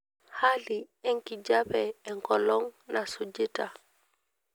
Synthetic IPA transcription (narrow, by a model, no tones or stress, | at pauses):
hali | ɛŋkid͡ʒabɛɛŋkɔlɔŋnasud͡ʒita